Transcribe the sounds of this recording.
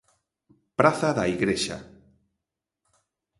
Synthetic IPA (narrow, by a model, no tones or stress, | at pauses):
pɾaθaðaiɣɾeʃa̰